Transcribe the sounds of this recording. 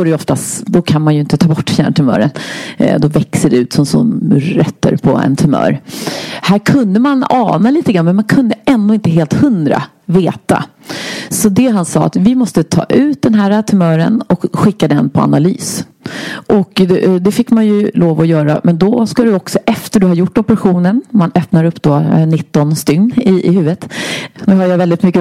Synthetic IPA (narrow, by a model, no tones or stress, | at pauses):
ɔɾɛjɔft̪ast̪d̪ɔkʰanmanjɵɪnt̪ət̪ʰɑːbɔʈːfjæːɳʈʰɵmœ̰ːɾənd̪ɔvɛksəɖɛʉ̟ːt̪sɔmsɔ̰nɛt̪ːə̰ɾpʰɔɛ̰nt̪ʰɵmœ̰ːɾhæːɾkʰɵnd̪əmanɑ̰ːnaliːt̪əɡɾanːmɛnmankʰɵnd̪əɛnd̪ʊːɪnt̪əɦeːlt̪hɵnd̪ɾa̰ | veːt̪a̰ | sɔd̪ɛɦansɑ̰ːa̰t̪vɪmɔst̪ət̪ʰɑ̰ːʔʉ̟ːt̪̚d̪ɛnɦæːɾat̪ʰɵmœːɾə̰nɔkɧɪkːad̪ɛnpʰɔ̰a̰naly̰ːs | ʔɔkd̪ɛfɪkːmanjɵloːvɔjœːɾa̰mɛnd̪ɔskad̪ɵɔksɔʔɛft̪əɖɵhaɾjʊʈːɔpəɾaɧuːnənmanœpnaɾɵpːd̪oːnɪt̪ːɔnst̪ʏŋːɪʔɪhʉ̟ːvət̪nʉɦajavɛld̪ɪt̪mʏkːə